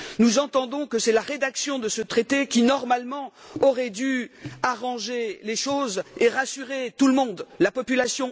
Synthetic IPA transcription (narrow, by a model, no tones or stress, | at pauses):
nuzɑ̃t̪ɑ̃d̪ɔ̃kəsɛlaʁed̪aksjɔ̃d̪əsət̪χet̪ekʲinɔʁmalmɑ̃ | ɔʁɛd̪yaʁɑ̃ʒeleʃozeʁasyʁet̪uləmɔ̃d̪lapɔpylasjɔ̃